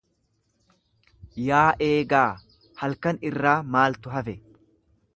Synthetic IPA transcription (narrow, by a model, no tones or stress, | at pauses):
jaːʔe̞ːɡaː | hɐlkɐnɪrːaːmaːlt̪ʊɦɐfɛ